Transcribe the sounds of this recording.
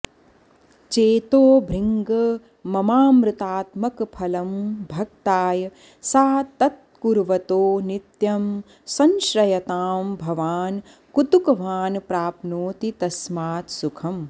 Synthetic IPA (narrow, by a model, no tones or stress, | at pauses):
t͡ʃeːt̪oːbʱɾiŋɡɐ | mɐmaːmɾɪt̪aːt̪mɐkpʰɐlɐmbʱɐk̚t̪aːjɐ | saːt̪ɐt̪̚kuɾʋɐt̪oːnit̪jɐm | sɐnʃɾɐjɐt̪aːmbʱɐʋaːn | kut̪ukɐʋaːnpɾaːpnoːt̪it̪ɐsmaːt̪sukʰɐm